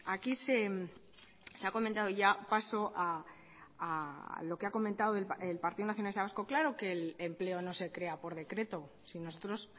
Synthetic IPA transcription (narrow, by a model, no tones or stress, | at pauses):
akise̞m | seako̞ment̪að̞oʝapaso̞ʔa | alo̞keako̞mẽnt̪aðoelelpaɾt̪iðonaθjonalist̪aβasko̞klaɾoke̞lemple̞o̞no̞se̞kɾe̞apo̞ɾð̞e̞kɾe̞t̪o̞ | sino̞so̞t̪ɾo̞s